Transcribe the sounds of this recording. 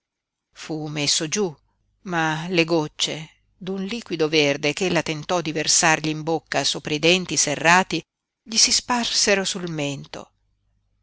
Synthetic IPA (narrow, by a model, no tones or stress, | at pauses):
fumesːod͡ʒu | maleɡot͡ʃːe | d̪unliːkwid̪overd̪ekelːat̪ent̪ɔd̪iversarʎiːmbokːasoːpɾaid̪ɛnt̪iserːaːt̪i | ʎisisparseɾosulment̪o̰